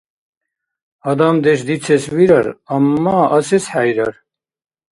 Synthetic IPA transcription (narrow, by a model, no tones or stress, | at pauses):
ɐd̪ɐmd̪eɕ̬d̪it͡sʰeswiɾɐɾɐmːaːʔɐsesħajɾɐ̰ɾ